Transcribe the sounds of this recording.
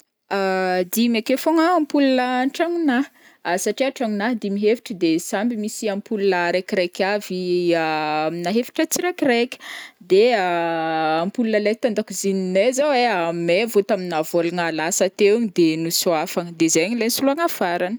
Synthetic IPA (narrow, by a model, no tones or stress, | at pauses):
ad̪imekefoŋaːmpulunəɳʈ͡ʂaŋuna | saʈ͡ʂiaʈ͡ʂaŋunaɦd̪imiɦefi̥ʈ͡ʂəd̪esambimisiampulunəɾekʲiɾekʲaviaminaɦefi̥ʈ͡ʂət͡siɾekʲirekʲə̥d̪eaː | mpulunəlek̚t̪and̪akuzininezaweamevot̪aminavolaŋalasət̪ewɲid̪enuswafaŋəd̪ezeɲilensulaŋafaɾanə̥